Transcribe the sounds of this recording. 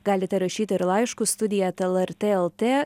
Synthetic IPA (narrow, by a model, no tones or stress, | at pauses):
ɡɑːlʲɪt̪ʲɛɾɐʃʲiːt̪ʲɪɪɾlˠɐɪʃkust̪ʊd̪ʲɪjɛɛt̪ɛlˠɛɾʲt̪ʲeːɛlˠt̪ʲeː